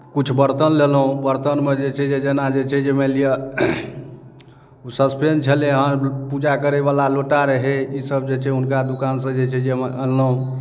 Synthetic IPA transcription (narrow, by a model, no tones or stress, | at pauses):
kut͡ʃʰbəɾt̪ənlelɦũbəɾt̪ənmed͡ʒet͡ʃʰɛd͡ʒed͡ʒenad͡ʒet͡ʃʰɛd͡ʒemeliə | usəspent͡ʃʰəleɦənpud͡ʒakəɾeβalaloʈaɾəɦeisəbd͡ʒet͡ʃʰɛunkad̪ukansə̃d͡ʒet͡ʃʰɛd͡ʒemɛənləɦũ